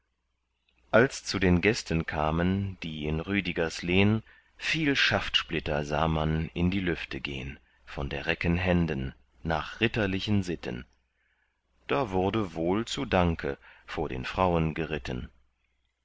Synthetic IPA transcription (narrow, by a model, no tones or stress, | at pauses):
ʔalst͡sudeːnɡɛstən̩kʰaːmənd̥iːɪnʁyːdiɡɐsleːən | fiːlʃaftʃplɪtɐzaːmanɪndiːlʏftʰəɡḛːən | fɔndeːɐʁɛkənɦɛndənː | a̰ːχʁ̥ɪtɐlɪçənzɪtʰə̰n | d̥aːvʊɐdəvoːlt͡suːdaŋkʰə̰foːɐɾḛːnfʁ̥aʊənɡəʁɪtʰən